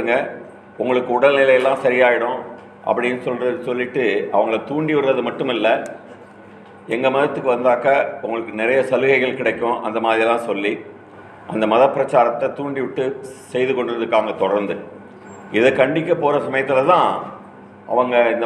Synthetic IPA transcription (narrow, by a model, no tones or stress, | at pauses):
ɯŋɡɐ | ʊŋɡɐɭɯkːɯʊɽɐlnɪlɐjɐlːãːsɐɾɪjaːjɪɽʊ̃ | ʔɐ̰pːɐɽɪnːɯsɔlɾɐðsɔlːɪʈːɯɐ̰ʋɐŋɡɐɭɐt̪uːɳɖiʋɐɾɐðɯmɐʈːɯmɪlːɐ | ɛŋɡɐmɐðɐt̪ːɯkːɯʋɐnd̪aːkɐʊŋɡɐɭɯkːɯnɪɾɐjɐsɐlɯɣɐɪɣɐɭkɪɽɐkːʊ̃ʔɐ̰nd̪ɐmaːðɾɪjɐlːãːsɔlːi | ʔɐnd̪ɐmɐðɐpːɪɾɐt͡ʃːaːɾɐt̪ːɐt̪uːɳɖiʋɪʈːɯsɛjðɯkɔɳɖɯɾɐðɯkːaːŋɡɐt̪ɔɽɐɾnd̪ɯ | ɪðɐkɐɳɖɪkːɐpːoːɾɐsɐmɐjɐt̪ːɪlɐt̪ãː | ʔɐ̰ʋɐŋɡɐɪnd̪